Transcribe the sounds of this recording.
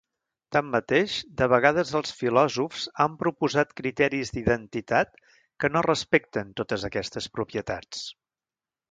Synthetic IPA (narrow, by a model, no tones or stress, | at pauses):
t̪amːət̪eʃd̪əβ̞əɣað̞əzəlˠsfilɔzufz̥ampɾupuzat̪kɾit̪ɛɾizd̪iðənt̪it̪at̪̚ | kənorəspek̚t̪ənt̪ot̪əzəkɛst̪əspɾupjət̪at͡s